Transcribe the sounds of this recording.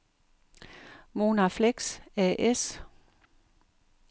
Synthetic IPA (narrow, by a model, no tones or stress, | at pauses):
mo̝nafleɡ̥sæʔes